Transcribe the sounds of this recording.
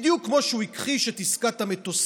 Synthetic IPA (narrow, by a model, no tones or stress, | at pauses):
d̪jukːmo̞ʃuikχiʃet̪iskat̪amet̪os